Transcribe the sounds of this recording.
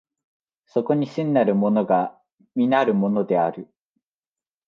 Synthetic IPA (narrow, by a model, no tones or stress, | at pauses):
so̞ko̞ɲ̟isɨ̃nːaɾɯ̟mo̞no̞ɡa | mʲinaɾɯ̟mo̞no̞d̪e̞aɾɯ̟